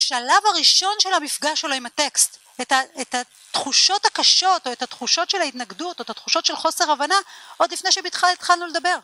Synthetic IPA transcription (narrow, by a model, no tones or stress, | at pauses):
aʃalavaʁiʃo̞nʃe̞lamifɡaʃeloimate̞kst | etaeta | tχuʃo̞thakaʃo̞to̞ethat̪χuʃo̞tʃe̞lhaitnaɡduto̞etatχuʃo̞tʃe̞lχo̞seʁavanaʔod̪lifne̞jʃebeit̪χalit̪χalnuled̪abe̞ʁ